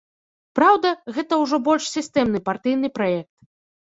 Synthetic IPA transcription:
pɾawd̪ɐɣɛt̪ɐwʐɔbɔlʲʂsʲist̪ɛmnɨpart̪ɨjn̪ɨpɾajɛk̚t̪̚

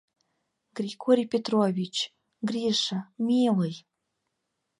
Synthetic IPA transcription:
ɡ̥rʲiɡoɾʲijpʲet̪rovʲit͡ɕ | ɡrʲiʃamʲeləj

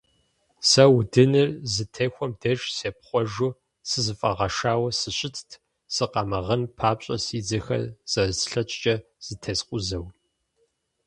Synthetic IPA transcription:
sɐwdɨnɨrzɨtʰeːxʷɔmdɐʒseːpχʷɔʒu | sɨzɨfʼɐʁɐʂaːwɐsɨɕʼɪtʰtʰ | sɨqɑmɐʁɐnpʰaːpɕʼɐsiːd͡zɐxɐ̰rz̥ɐsɬɐt͡ʃʼt͡ʃʼɐ | z̥ɨtʰɐsqʷʊzɐw

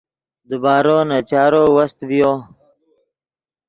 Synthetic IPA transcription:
d̪əbɑːɾoːnat͡ʃɑːɾoːwɐst̪vijoː

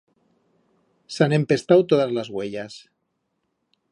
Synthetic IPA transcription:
sane̞mpe̞st̪awt̪oðazlazɣweʎas

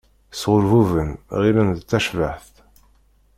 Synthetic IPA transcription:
sʁʊlvuvənʁilənðt͡sːæʃvəħθ

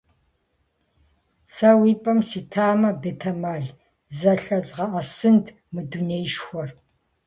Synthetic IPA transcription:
sɐwiːpʼɐmsiːtʰaːmɐbetʰɐmaɮ | zɐɬɐzʁɐʔɐsɨntʰ | mɨduneːjʃxʷɔr

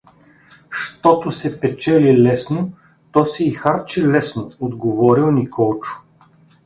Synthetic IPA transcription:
ʃt̪ɔt̪ʊsɛpɛt͡ʃɛlilɛsno | t̪ɔsɛixaɾt͡ʃilɛsnood̪ɡovɔɾilˠnikɔlˠt͡ʃʊ̥

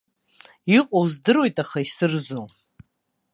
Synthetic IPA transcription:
iqʷʼowzdɨrwe̞jtʼaχaisɨrzo

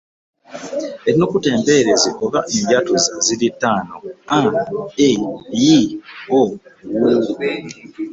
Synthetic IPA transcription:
eɾinokute̞ːmbe̞ɾeziʔo̞βaʔeɲɟatuzazilitːaːnoaejiowu

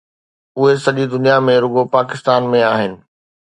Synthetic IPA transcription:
ʊɦesɐʄid̪ʊnijamẽɾʊɡopaːkɪst̪aːnmẽaːɦɪnɪ̆

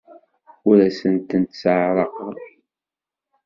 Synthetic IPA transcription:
ʊɾæsənt̪ənt̪səʕɾˤəq

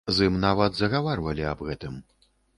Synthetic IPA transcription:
zɨmnavɐd̪zɐɣavarvɐlʲiɐbɣɛt̪ɨm

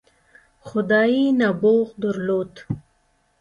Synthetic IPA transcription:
xʊd̪ɑːinaboːɣd̪əɾloːt̪

